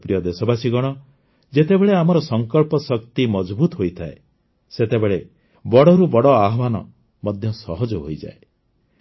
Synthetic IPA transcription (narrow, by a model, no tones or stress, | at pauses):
pɾijɔd̪esɔbasiɡɔɽ̃ɔ | d͡ʒet̪ebeɭeamɔɾɔsɔŋkɔɭpɔsɔkt̪imɔd͡ʒbut̪ɔɦojt̪ʰae | set̪ebeɭe | bɔɽɔɾubɔɽɔaɦɔbanɔ̰ | mɔd̪ʱjɔsɔɦɔd͡ʒɔɦo̰jd͡ʒa̰e